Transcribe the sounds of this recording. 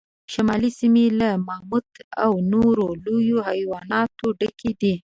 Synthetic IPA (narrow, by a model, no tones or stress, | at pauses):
ʃamɑlisimelamɑmud̪a̰wnoɾolojohajwɑnɑt̪oɖəkʰed̪i